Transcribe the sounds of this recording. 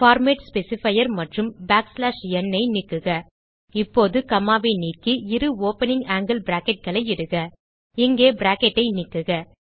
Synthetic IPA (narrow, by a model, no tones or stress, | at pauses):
faːɾmeːʈspɛsɪfɐjɐɾmɐʈrɯmbaːkslaːʂjɛnːɐɪnɪkːɯɣɐ | ɪpːoːðɯkɐmːaːʋɐɪniːkiɪɾɯoːpɐnɪŋaːŋɡɪlbɪɾaːkɛʈ̚ɣɐɭɐɪɪɽɯɣɐ | ɪŋɡeːbɪɾaːkɛʈːɐɪnɪkːɯɣɐ